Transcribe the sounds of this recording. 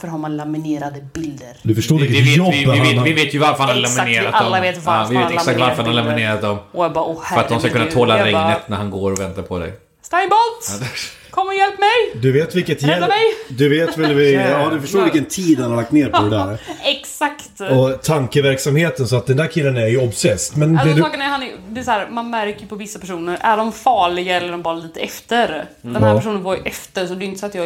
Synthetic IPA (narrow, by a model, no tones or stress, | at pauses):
fœɾhaɾmanlamɪneːɾad̪əbɪld̪əɾd̪ɵfœʂʈoːɾvɪkət̪ːjɔb̪ːɪveːt̪jɵvaɾfəɾhanhalamɪneːɾa̰t̪dd̪ɔmːeːt̪avɪveːt̪ɛksak̚t̪vaɾfəɾhanhalamɪneːɾat̪̚d̪ɔmɔjbɑɔhfœɾat̪d̪ɔmskakʰɵnːat̪ʰoːlaɾɛŋnət̪næɾhanɡoːɾɔvɛnt̪aɾpʰɔd̪ɛ̰j | st̪ajnbɔlt̪d̪ | kʰɔmːjɛlpmɛjd̪ɵveːt̪vɪlkːət̪jɛlɛjd̪ɵveːt̪vɛlvɪd̪ɵfəʂot̪ːvɪɪkənt̪ʰiːd̪hanhaɾlak̚t̪neːɾpɔd̪ɛd̪æɾɛksakt̪ɔt̪ʰaŋkəvæɾksamheːt̪ənsɔat̪̚d̪ɛnd̪æːɾkʰɪlːənæɾjɵɔbsɛst̪mɛnd̪ɛd̪sɑːkənæhanjd̪ɛsɔhæːɾmanmæɾkəjpʰɔvɪsːapʰæʂuːnəɾæ̰ɖɔmfɑːɭɪɡaɛlːəɖɔmbɑːɾaliːt̪əɛft̪əɾd̪ɛmhæɾpæʂ̬uːnənvɑːɾjʔɛft̪əɾsɔɛd̪ɛɪjʏnəsat̪jɑː